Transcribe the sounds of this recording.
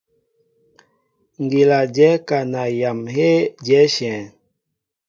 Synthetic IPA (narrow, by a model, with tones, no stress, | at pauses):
ŋ˨ɡi˨la˨d͡ʒɛ˨˦ka˨na˨ja˨mɦe˦d͡ʒɛ˨˦ʃɛ̃˨